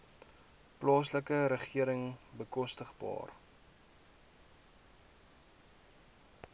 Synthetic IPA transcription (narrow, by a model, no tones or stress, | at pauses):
plɑːsləkəɾəχiəɾəŋbəkɔstəχbɑ̰ːr